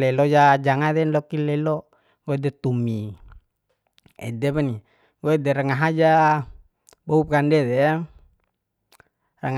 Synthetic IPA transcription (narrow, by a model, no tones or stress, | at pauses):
lɛlɔjad͡ʒaŋad̪ɛnlɔkilɛlɔ | ɡoɛdɛt̪umi | ɛ̰dɛβani | ɡoɛdɛɾaŋaɦad͡ʒa | boup̚kandɛd̪ɛ | raŋ